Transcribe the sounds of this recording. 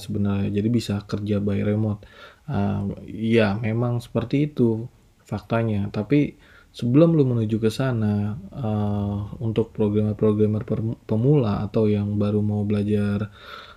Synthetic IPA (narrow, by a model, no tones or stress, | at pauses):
səbənarɲad͡ʒadibisakərd͡ʒabaiɾemɔt̪̚ə̰jamemaŋsə̥pərt̪iːt̪u | fak̚t̪aɲat̪api | səbəlʊmlʊmənud͡ʒukəsanaəunt̪ʊk̚pɾoɡɾamərpɾoɡɾamərpəpəmula̰ːt̪awjaŋbaɾumaubəlad͡ʒar